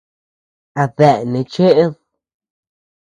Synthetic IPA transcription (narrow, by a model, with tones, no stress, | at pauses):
a˨ðɛ˨nĩ˨˧t͡ʃe˦ʔe˦ð